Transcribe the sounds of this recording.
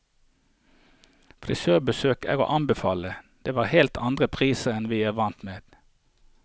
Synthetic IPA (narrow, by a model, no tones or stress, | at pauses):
fɾɪ̰søːbəsøːkæ̰ːʁo̰ːʔɑnbəfɑːləd̪̥eːʋɑːʁhɛlt̪ʰɑnd̪ʁəpʰʁiːsəɛnʋiːæːʋɑnt̪meːd̪̥